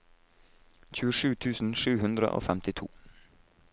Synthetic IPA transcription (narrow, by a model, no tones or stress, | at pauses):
çʉːəʂʉːt̪ʰʉːsn̩ʂʉːhʉnd̪ɾə̰ʔo̰ːfɛmt̪ɪt̪ʰṵː